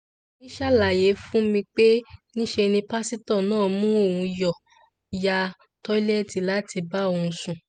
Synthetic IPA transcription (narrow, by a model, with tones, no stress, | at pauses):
nĩ˦ʃa˦˨la˨je˨˦fũ˦mĩ˧k͡pe˦nĩ˦ʃe˧nĩ˧pa˦si˦tɔ̃˦˨nãː˦˨mũ˦o˦˨wũ˧jɔ˨ | ja˧ | tɔ˦i˦lɛ˦˨ti˨la˦tʰi˧ba˦o˨ũ˧sũ˨